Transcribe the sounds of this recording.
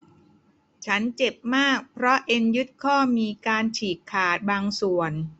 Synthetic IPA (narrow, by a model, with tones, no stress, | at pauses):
t͡ɕʰa˦˥nt͡ɕe˨˩p̚maː˥˩k̚pʰɾɔ˦˥ʔe˧nju˦˥t̪̚kʰɔː˥˩miː˧kaː˧nt͡ɕʰiː˨˩kʰːaː˨˩t̪̚baː˧ŋsu˨˩ən